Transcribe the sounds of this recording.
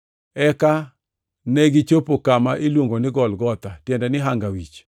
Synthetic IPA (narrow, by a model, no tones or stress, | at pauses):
ɛka | neɡɪt͡ʃopokamaʔilwoŋɡonɪɡɔlɡɔt̪atjɛndɛnɪɦaŋɡawit͡ʃ